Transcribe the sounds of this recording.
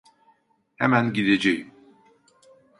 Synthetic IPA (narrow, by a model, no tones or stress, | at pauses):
hemænɟid̪ed͡ʒejim